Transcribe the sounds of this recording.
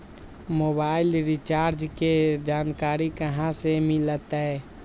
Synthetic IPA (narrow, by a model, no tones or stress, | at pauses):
moːbaːɪlɾɪt͡ʃaːɾd͡ʒked͡ʒaːnkaːɾikəɦãsemɪlət̪ɦɛ